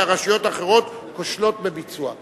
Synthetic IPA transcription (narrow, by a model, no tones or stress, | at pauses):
aʁaʃijo̞taχe̞ʁo̞t̪koʃlo̞t̪̚bebit͡sua̰